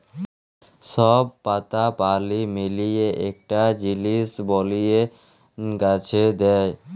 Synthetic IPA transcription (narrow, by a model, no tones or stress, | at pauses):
ʃɔbpat̪apalimilijeʔɛk̚ʈad͡ʑilisbɔlije | ɡat͡ɕʰed̪ɛj